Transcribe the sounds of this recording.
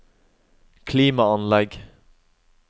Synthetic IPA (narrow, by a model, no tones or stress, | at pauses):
kʰliːmɑɑnlɛɡ